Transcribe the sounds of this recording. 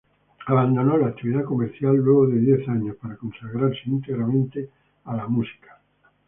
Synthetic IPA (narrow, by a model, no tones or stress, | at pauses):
aβand̪o̞nolaːk̚t̪iβiðakomeɾθjalːweɣ̞oðeðjeθaɲospaɾako̞nsaɣɾaɾseint̪eɣɾamẽnt̪e | alamusi̥kḁ